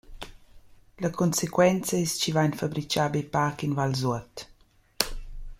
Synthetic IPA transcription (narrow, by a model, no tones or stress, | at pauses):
lɐkʰɔnsekwɛnt͡səɛst͡ʃivajnfabɾit͡ʃaːbepaːkinvalzuət̪